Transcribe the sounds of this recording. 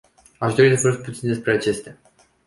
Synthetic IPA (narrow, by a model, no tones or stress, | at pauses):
aʃd̪o̞ɾid̪vəɾɨt̪̚put̪sind̪espɾe̞at͡ʃe̞st̪ea